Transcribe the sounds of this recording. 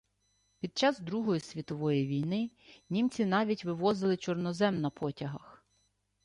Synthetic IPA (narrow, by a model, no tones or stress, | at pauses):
pʲid̪̚t͡ʃɑzd̪ɾuɦɔjisʲʋʲit̪ɔʋɔjiʋʲijnɪ | nʲimt͡sʲin̪ɑʋʲitʲʋɪʋɔzɪlˠɪt͡ʃɔrnɔzɛmnɐpʰɔtʲɐɦɐx